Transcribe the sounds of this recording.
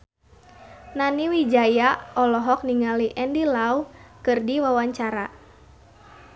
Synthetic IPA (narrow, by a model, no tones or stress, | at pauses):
naniwid͡ʒajaɔlɔɦɔk̚niŋaliʔɛndilawkɨrdiwawaɲt͡ʃaɾa